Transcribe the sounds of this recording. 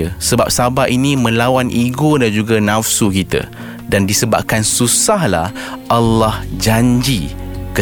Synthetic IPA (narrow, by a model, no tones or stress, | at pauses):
əsəba̰p̚sabaʔinĩmə̃lawanʔiɡodand͡ʒuɡanãfsukit̪a̰ | dandisəbap̚kansusahla̰hʔalːahd͡ʒaɲd͡ʒikə